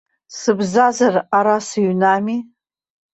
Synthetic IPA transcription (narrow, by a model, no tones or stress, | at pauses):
sɨbzazaraɾasɨɥnami